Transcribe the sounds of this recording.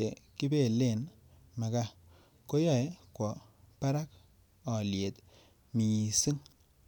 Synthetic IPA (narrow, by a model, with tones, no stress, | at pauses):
e˨ki˦be˦˨le˦˨n | ma˨ka˦ | ko˦jɔ˦˨e˦kwɔ˨pa˦ɾa˦k̚ | ɔ˨lje˨t | mi˨ɲi˨si˦ŋ